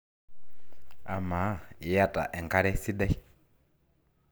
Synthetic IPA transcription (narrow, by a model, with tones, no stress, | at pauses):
a̰˨ma˨˦˨i˨ja˦tʼa̰˨ʔɛ˨ŋka˦ɾɛ˦si˦da˦